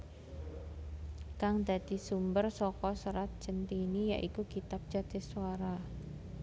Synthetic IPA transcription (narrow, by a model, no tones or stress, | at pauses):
kaŋd̪̥a̤d̪̥i̤sumbərsɔkɔsəɾat̪̚t͡ʃənt̪inija̰ʔikukit̪ap̚ʒ̥adt̪ɪsuaɾa